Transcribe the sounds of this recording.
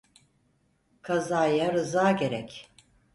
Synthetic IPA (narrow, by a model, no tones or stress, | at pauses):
kʰazaːjaɾɯzaːɟeɾɛc